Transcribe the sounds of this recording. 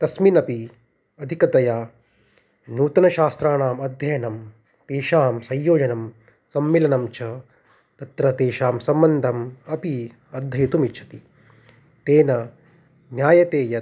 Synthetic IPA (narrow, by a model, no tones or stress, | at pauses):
t̪ɐsminɐpi | ɐd̪ʱikɐt̪ɐjaː | nuːt̪ɐnɐʃaːst̪ɾaːnaːmɐd̪ʱjɐjɐnɐm | t̪eːʃaːmsɐ̃jjoːd͡ʒɐnɐm | sɐmːilɐnɐmt͡ʃʰɐ | t̪ɐt̪ɾɐt̪eːʃaːmsɐmbɐnd̪ʱɐmɐpi | ɐd̪ʱːɐjɐt̪umitʃʰɐ̥t̪i | t̪eːnɐ | njaːjɐt̪eːjɐ